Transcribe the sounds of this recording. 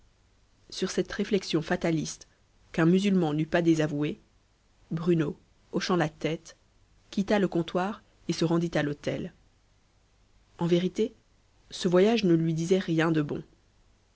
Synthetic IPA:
syʁsɛt̪ʁeflɛksjɔ̃fat̪alist̪ | kɛ̃myzylmɑ̃nypad̪ezavue | bʁyno | oʃɑ̃lat̪ɛt̪ | kʲit̪aləkɔ̃t̪waːʁ | esəʁɑ̃d̪it̪alot̪ɛ̰l | ɑ̃veʁit̪e | səvwajaʒnəlɥid̪izɛʁjɛ̃d̪əbɔ̰̃

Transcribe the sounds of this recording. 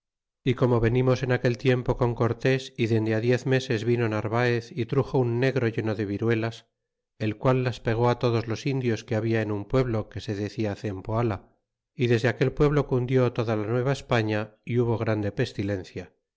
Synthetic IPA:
iko̞mo̞βe̞nimo̞se̞nake̞lt̪je̞mpo̞ko̞ŋko̞ɾt̪e̞siðe̞nd̪eaðje̞θme̞se̞zβino̞naɾβaeθit̪ɾuxo̞unːe̞ɣɾo̞ʝe̞no̞ðe̞βiɾwe̞las | e̞lkwalːaspe̞ɣ̞o̞at̪o̞ð̞o̞zlo̞sind̪jo̞skeaβiaenumpwe̞βlo̞ke̞se̞ðe̞θiaθe̞mpoala | iðe̞zðeake̞lpwe̞βlo̞kund̪jo̞t̪o̞ðalanwe̞β̞aespaɲaiuβ̞o̞ɣ̞ɾand̪e̞pe̞st̪ile̞n̟θja

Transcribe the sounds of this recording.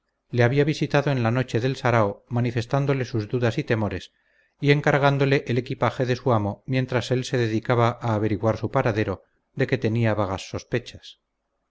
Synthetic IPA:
le̞aβiaβ̞isit̪aðoe̞nlano̞t͡ʃe̞ðe̞lsaɾaomanife̞st̪and̪o̞le̞suzðuðasit̪e̞mo̞ɾe̞s | ie̞ŋkaɾɣand̪o̞le̞ʔele̞kipaxe̞ðe̞suamo̞mje̞nt̪ɾase̞lse̞ðe̞ðikaβaʔaːβe̞ɾiɣwaɾsupaɾaðe̞ɾo̞ | ðe̞ke̞t̪e̞niaβaɣasːo̞spe̞t͡ʃḁs

